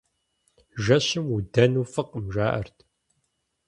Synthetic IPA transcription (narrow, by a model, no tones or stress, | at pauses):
ʒɐɕɪmud̪ɐnuːfɨqəmʒʷaːʔɐ̰rt̪ʰ